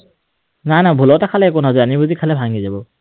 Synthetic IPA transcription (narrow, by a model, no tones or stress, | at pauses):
najnabʱulɔtakʰalɛːkʊnazɔanibuzikʰalɛbʱaŋɡizabɔ